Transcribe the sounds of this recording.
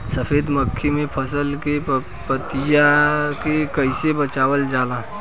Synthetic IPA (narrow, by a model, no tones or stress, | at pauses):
səfʰeːd̪məkʰːimẽpʰɐsəlke | pət̪ijakekəɪsebət͡ʃaːwəld͡ʒaːlaː